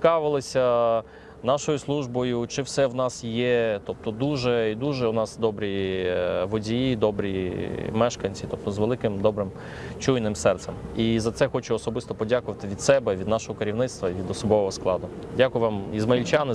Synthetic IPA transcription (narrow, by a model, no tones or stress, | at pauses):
kɑʋɪlˠɪsʲɐ | nɑʃɔjʊslˠuʒbɔjʊt͡ʃɪwsɛwnɑsjɛt̪ɔp̚t̪ɔd̪uʒɛid̪uʒɛʊnɑsd̪ɔbɾʲi | ʋɔdʲijid̪ɔbɾʲimɛʃkɐnʲt͡sʲit̪ɔp̚t̪ɔzʋelˠɪkɪmd̪ɔbɾɪm | t͡ʃujnɪmsɛrt̪sɛmizɐt̪sɛxɔt͡ʃʊɔsɔbɪst̪ɔpɔdʲakʊʋɐt̪ɪʋʲid̪sɛbɛʋʲid̪nɑʃɔɦɔkeɾʲiwnɪt̪st̪ʋɐiʋʲid̪ɔsɔbɔʋɔɦɔsklˠɑd̪ʊ | dʲakʊjʊʋɑmizmɐilʲt͡ʃanɪ